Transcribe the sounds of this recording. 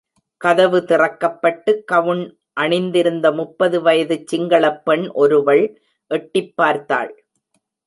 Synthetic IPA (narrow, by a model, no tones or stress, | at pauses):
kɐðɐʋɯt̪ɪrɐkːɐpːɐʈːɯkːɐʋɯɳ | ʔɐɳɪnd̪ɪɾɯnd̪ɐmʊpːɐðɯʋɐjɐðɯt͡ʃːɪŋɡɐɭɐpːɛɳʔɔɾɯʋɐɭ | ʔɛʈːɪpːaːɾt̪a̰ːɭ